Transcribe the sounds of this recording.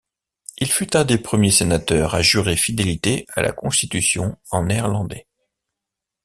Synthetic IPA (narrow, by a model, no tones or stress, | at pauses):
ilfyt̪ɛ̃d̪epχəmjesenat̪œːʁaʒyʁefid̪elit̪ea̰lʔa̰kɔ̃st̪it̪ysjɔ̰̃ɑ̃nɛʁlɑ̃d̪ɛ